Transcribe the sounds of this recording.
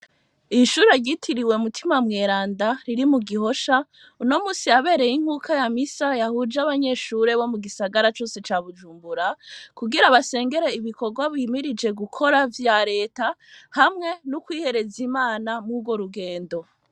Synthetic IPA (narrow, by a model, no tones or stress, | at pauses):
iʃuɾeɾjɟitʰiɾiwe̞mutʰimamŋe̞ːɾaːndaɾiɾimuɡiɦo̞ʃa | uno̞muːsijaβe̞ːɾe̞jiŋ̥huːkʰajamisajahud͡ʒaβaɲe̞ʃuɾe̞βo̞muɡisaɡaɾat͡ʃo̞ːse̞t͡ʃaːβud͡ʒuːmbuɾakuɡiɾaβase̞ːŋɡe̞ɾeiβiko̞ɾɡwaβimiɾid͡ʒe̞ɡukʰo̞ɾavjaɾe̞ːtahamŋe̞nukwiːhe̞ɾe̞zimaːnamŋuɡwo̞ɾuɡe̞ːndo̞